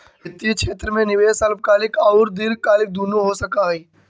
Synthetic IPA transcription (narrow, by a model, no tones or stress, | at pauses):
ɪt̪ːikʃeːt̪ɾəmẽnɪʋeːsɐlb̚kaːlɪkɔːɾd̪ɪɾkaːlɪk̚d̪uːnoɦosɐkaɦiː